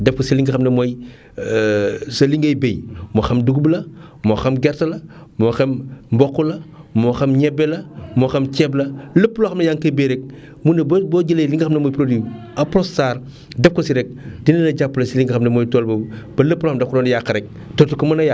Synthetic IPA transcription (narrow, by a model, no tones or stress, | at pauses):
dɛp̚kosiliŋɡɐxɐmnɐmoj | sɐliŋɡɐjbejmoxɐmduɡblɐmoxɐmɡɛɾtɐlɐ | moxɐmmbɔkːulɐmoxɐmɲɛbelɐmoxɐmkɛblɐləpːuloxɐmnɐjaŋkɐbeɾɛk̚ | munɐbboɟilejliŋɡɐxɐmnɐmojpɾodi | ɐpɾossaːɾ | dɛp̚kosiɾɛk̚dinɐdɐɟapːulɐsiliŋɡɐxɐmnɐmojtoːlbɐb̥ɐləpːuloxɐmdɐkɾoːndjakːɐɾɛk̚ | toːtukomɐnɐja